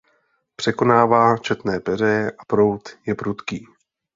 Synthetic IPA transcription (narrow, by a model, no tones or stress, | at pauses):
pr̥ɛko̞naːvaːt͡ʃɛt̪nɛːpɛr̝ɛjɛʔapɾo̞wt̪jɛpɾut̪kiː